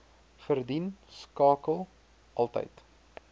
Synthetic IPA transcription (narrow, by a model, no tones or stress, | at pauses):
fərdinskɑːkəlˠ | ʔɐlˠtə̰jt